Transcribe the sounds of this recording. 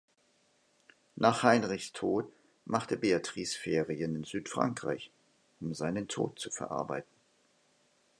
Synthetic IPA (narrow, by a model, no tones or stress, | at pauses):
naːχhaɪnʁɪçstʰoːt | mʔaχtəbeatʁ̥isfeːʁiənɪnzyːtfʁ̥a̰ŋkʁ̥a̰ɪç | ʔʊmzaɪnəntʰo̰ːt̚t͡sufɛ̰ɐʔa̰ɐba̰ɪtn̩